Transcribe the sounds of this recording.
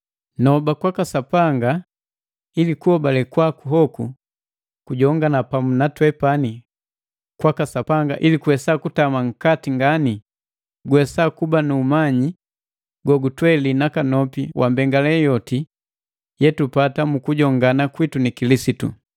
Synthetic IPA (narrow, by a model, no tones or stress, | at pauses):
nɔbakwakasapaŋɡa | ilikuhɔbalɛkwakuɦɔku | kuɟɔŋɡanapamunatwɛpani | kwakasapaŋɡaʔilikuwɛsakutamaŋ̩katiŋɡani | ɡwɛsakubanuːmaɲi | ɡɔɡutwɛlinakanɔpiwʔambɛŋɡalɛjɔti | jɛtupatamukuɟɔŋɡanakwitunikilisitṵ